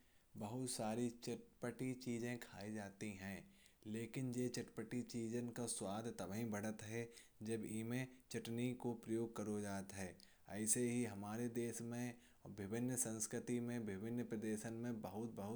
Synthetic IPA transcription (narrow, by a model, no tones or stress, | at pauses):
bɐɦʊt̪saːɾit͡ʃɪʈpəʈit͡ʃiːzẽkʰaːid͡ʒaːt̪iɦɛ̃ː | leːkɪnjeːt͡ʃɐʈpəʈit͡ʃiːd͡ʒənkaswaːd̪ʱt̪ɐbɦĩbɐɽət̪ɦɛ | d͡ʒɐbiːmẽt͡ʃɐʈnikopɾɐjoːɡ̚kɐɾod͡ʒaːt̪ɦɛː | ɛɪseɦiɦɐmaːɾed̪eːʃmẽ | ɔbʱɪbɪnjəsɐ̃nskɾɪt̪imẽbʱɪbɪnːəpɾəd̪eːʃənmẽbəɦʊt̪̚bɐɦʊ